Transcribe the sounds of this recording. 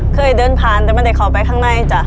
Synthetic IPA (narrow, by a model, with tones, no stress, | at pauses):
kʰɤː˧˩jdɤː˧˥˨npʰaː˧nt̪ɛː˨˩ma˧˥nda˧˩kʰɔː˨˩pa˧jkʰaː˧˥˩ŋna˧˥˩jt͡ɕa˧˩